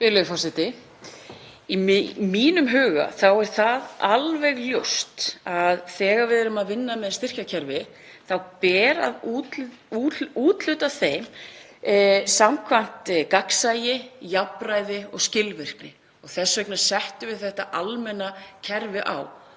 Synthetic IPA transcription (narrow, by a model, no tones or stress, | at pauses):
pɪlʏðfɔsɪt̪ɪ | imiːnʏmɦʏːɣa̰θawɛɾ̥θaðalvɛɣljowst̪aðθɛːɣaɾvɪðɛɾʏmaðvɪnːamɛðst̪ɪr̥cacʰɛɾvɪ | θawpɛːɾa̰ðu | uuːt̪lʏt̪aθejm | samkʰvan̥t̪kaksajɪjapɾaːjðɪɔɣscɪlvɪr̥k̚nɪ | ɔɣθɛsːvœknḁsɛht̪ʏvɪðθɛht̪aʔalmɛnacʰɛɾvɪʔa̰w